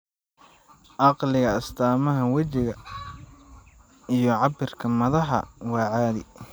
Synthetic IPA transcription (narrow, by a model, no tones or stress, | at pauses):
ʔɑqlɪɣɐɐst̪ʰaːmɐɦɐwɐt͡ʃɪɣɐ | ijɞʕɑbɪrkʰɐmɐðɐħɐ̰wɑːʕaːðɪ̰